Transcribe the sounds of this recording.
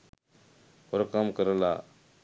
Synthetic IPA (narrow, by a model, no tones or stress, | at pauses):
hoɾkamkəɾəla̰ː